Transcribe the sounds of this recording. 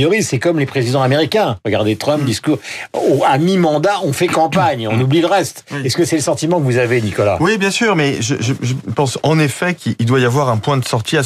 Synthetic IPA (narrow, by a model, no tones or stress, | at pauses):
ijɔʁisɛkɔmlepχezid̪ɑ̃ameʁikʲɛ̃ʁəɡaʁd̪et̪χœ̃mpd̪iskuʁoamimɑ̃d̪aɔ̃fɛkɑ̃paɲɔ̃nubliləʁɛst̪ɛskəsɛləsɑ̃t̪imɑ̃kəvuzavenikɔla̰wibjɛ̃syːʁmɛʒəʒəʒəpɑ̃sɑ̃nefɛkiild̪wajavwaʁɛ̃pwɛ̃d̪əsɔʁt̪ʰia